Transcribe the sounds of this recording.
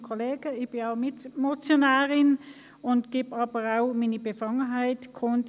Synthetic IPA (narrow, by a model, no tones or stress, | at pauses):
kʰoleːɡ̥əɪçb̥ɪnaʊmɪtmot͡sjonaːʁɪn | ʊntɡ̥eːbɑːbəʁaʊmiːnəbəfɑŋəɦaɪtkʰɔnt